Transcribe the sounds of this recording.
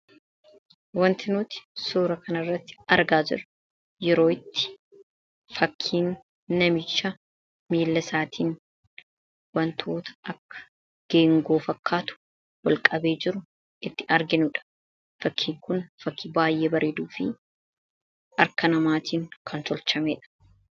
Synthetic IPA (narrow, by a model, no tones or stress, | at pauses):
wɐnt̪ɪnʊt̪ɪ̥soːɾɐkɐnɐrːɐt̪ːɪ̥ɐɾɡaːd͡ʒɪ̰ɾɐ | jɛɾo̞ːɪt̪ːɪ̥ | fɐkʰːiːnː | ɐmɪt͡ʃːɐ | miːlːɐsaːt̪ʰiːn | wɐnt̪ʰo̞ːt̪ɐ̥ʔɐkːɐ̥ | ɡ̥eːŋɡo̞ːfɐkʰːaːt̪ʊ̥ | wɐlkʼɐbe̞ːd͡ʒɪɾʊ | ʔɪt̪ːɪʔɐɾɡɪnʊᶑɐ̥ | fɐkʰːiːŋkʊnfɐkʰːibaːjʔeːbɐɾʔeːd̪uːfɪ̰ | ɐɾkɐnɐmaːt̪iːŋkʰɐnt̪ɔlt͡ʃɐmeːᶑɐ̥